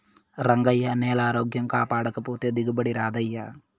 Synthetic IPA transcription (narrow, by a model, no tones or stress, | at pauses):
ɾɐŋɡɐjːɐnɛːlaːɾoːɡjɐmkaːpaːɽɐkɐpoːt̪eːd̪iɡɐbɐɽiɾaːd̪ɐjːɐ